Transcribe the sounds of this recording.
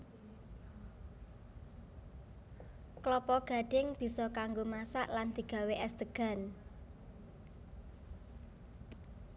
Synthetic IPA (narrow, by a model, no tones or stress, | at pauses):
klɔpɔɡ̥ä̤ɖ̥ɪŋb̥i̤sɔkaŋɡomasa̰ʔland̪̥i̤ɡ̥ä̤weʔɛsd̪̥əɡ̥a̤n